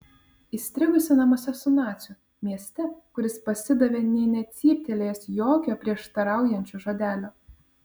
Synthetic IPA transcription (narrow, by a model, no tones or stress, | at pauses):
iːsʲt̪ʲɾʲɪɡʊsʲɪnɐmoːsʲɛsʊnɑːt̪sʲu | mʲiɛsʲt̪ʲɛkʊɾʲɪspɐsʲɪd̪ɐʋʲeːnʲɛɪnʲɛt̪sʲiːpʲt̪ʲelʲeːjɛsjoːkʲoːpʲɾʲiɛʃt̪ɐɾɑˑʊjɛnʲt͡ʃʲoːʒɐd̪ʲæːlʲoː